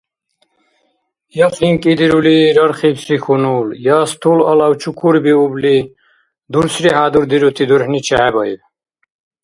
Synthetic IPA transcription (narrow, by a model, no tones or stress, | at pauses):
jafiŋkʼid̪iɾuliɾʌɾχibsɾikʰunuljast̪ʰulɐlawt͡ʃʰukʰuɾbiubli | d̪uɾsɾiɦaːd̪uɾd̪iɾut̪ʰid̪uɾhnit͡ɕʰaːbʌj̰w